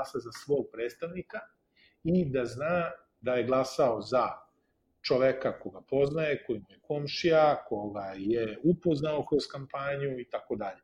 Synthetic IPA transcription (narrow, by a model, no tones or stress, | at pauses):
asazasʋo̞ːɡ̚pɾeːt̪st̪aʋnika | id̪aznaː | d̪aje̞ɡlˠasao̞za | t͡ʃoʋekakoɡapo̞znaje̞ko̞jimujeko̞mʃijako̞ɡajeupo̞znaokɾo̞zkampaɲuit̪ako̞d̪aʎe